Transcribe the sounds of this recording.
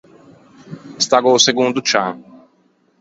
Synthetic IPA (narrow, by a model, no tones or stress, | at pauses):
st̪aɡoseɡũnd̪ʊt͡ʃa